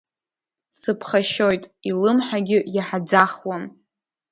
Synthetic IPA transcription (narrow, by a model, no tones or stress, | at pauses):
sɨpʰχaʃojtʼilɨmħaɡʲɪjaħad͡zaχwan